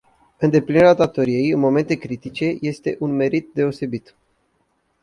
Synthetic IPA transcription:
ɨnd̪e̞plineɾeat̪at̪oɾie̞jɨnmo̞me̞nt̪e̞kɾit̪it͡ʃe̞je̞st̪e̞ʔunme̞ɾit̪̚d̪e̞o̞se̞bit̪

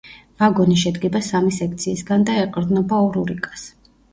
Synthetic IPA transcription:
vaɡɔniʃɛd̪ɡɛbasamisɛkʰt̪sʰiːsɡand̪aɛqʼɾd̪nɔbaɔɾuɾikʼḁs

